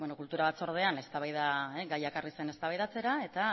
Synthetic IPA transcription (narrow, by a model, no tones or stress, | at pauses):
bonokult̪uɾaβat͡so̞ɾð̞e̞ane̞st̪aβajðaeɡajekarise̞ne̞st̪aβajðat͡se̞ɾae̞t̪a